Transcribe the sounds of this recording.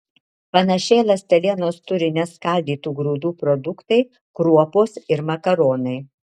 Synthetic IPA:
pɐnɐʃʲɛɪlˠɐsʲt̪ʲɛlʲiɛnoːst̪ʊɾʲɪnʲɛskɐˑlʲd̪ʲiːt̪uːɡɾuːd̪uːpɾɔd̪ʊkt̪ɐɪ | kɾuɔpoːsɪɾmɐkɐɾoːnɐɪ

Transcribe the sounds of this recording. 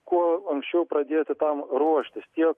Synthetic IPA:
kuɔɐŋksʲt͡ʃʲɛʊpɾɐd̪ʲeːt̪ʲɪt̪ɐmɾuɔʃʲt̪ʲɪst̪ʲiɛk

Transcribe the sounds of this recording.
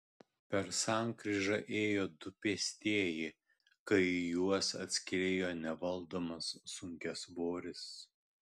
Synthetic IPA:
pʲɛɾsɑˑŋkɾʲɪʒɐʔeːjoːd̪ʊpʲiɛsʲt̪ʲiɛjɪ | kɐɪjuɔsɐ̰t̪ʲsʲkʲɪɾʲeːjoːnʲɛʋɐlˠd̪oːmɐsːʊŋʲkʲɛsboːɾʲɪs

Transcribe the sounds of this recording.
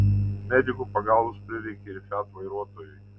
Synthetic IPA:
mʲɛd̪ʲɪɡʊpɐɡɑlˠʋʊspʲɾʲɪʋʲɛɪkʲɛɪɾfʲæt̪ʋɐɪɾuɔt̪ɔjʊj

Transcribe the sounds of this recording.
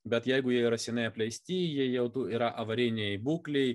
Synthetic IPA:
bʲɛt̪jɛɪɡʊjiɛiːɾɐsʲɛnʲɐɪɐpʲlʲɛɪsʲt̪ʲiːjiɛjɛʊt̪uːiːɾɐʔɐʋɐɾʲɪnʲejbuːklʲɛɪ

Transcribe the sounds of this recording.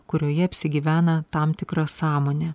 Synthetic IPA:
kʊɾʲoːjɛɐpʲsʲɪɡʲiːʋʲæːnɐt̪ɐmt̪ʲɪkɾɐsɑːmoːnʲɛː

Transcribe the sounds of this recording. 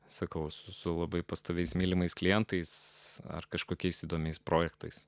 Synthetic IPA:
sɐkɐʊsʊsʊlˠɐbɐɪpɐst̪oːʋʲɛɪsmʲiːlʲɪmɐɪsklʲɪjɛnt̪ɐɪsɐ̰rkɐʃkoːkʲɛɪsid̪oːmʲɛɪspɾoːjɛkt̪ɐɪs

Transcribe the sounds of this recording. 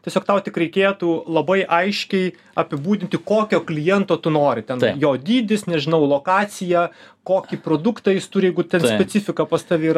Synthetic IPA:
t̪ʲiɛsʲoːkt̪ɐʊt̪ʲɪkɾʲɛɪkʲeːt̪uːlˠɐbɐɪʔɐɪʃʲkʲɛɪ | ɐpʲɪbuːd̪ʲɪnʲt̪ʲɪkoːkʲoːklʲɪjɛnt̪oːt̪ʊnoːɾʲɪtʲɛnjoːd̪ʲiːd̪ʲɪsnʲɛʒʲɪnɐʊlˠoːkɑːt͡s̪ʲɪjɛ | koːkʲipɾoːd̪ʊkt̪ɐjɪst̪ʊɾʲjɛɪɡʊt̪ʲɛnsʲpʲɛt͡s̪ʲɪfʲɪkɐpɐst̪ɐʋʲɪːɾɐ

